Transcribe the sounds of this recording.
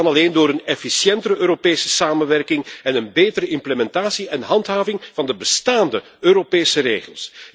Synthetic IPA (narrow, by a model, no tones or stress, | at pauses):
ɑnɑleːndoːɾənɛfisjɛntəɾəøːɾopeːsə̥saːmənʋɛrkɪŋɛnənbeːtəɾəʔɪmpləmɛntaːsiʔɛnɦɑntɦaːvɪŋv̥ɑndəbəstaːndə | øːɾopeːsəreːɣəlˠs